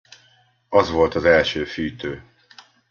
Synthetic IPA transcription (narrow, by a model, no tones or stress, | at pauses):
ɒzʋo̞lt̪ɒzɛlʃøːfyːt̪øː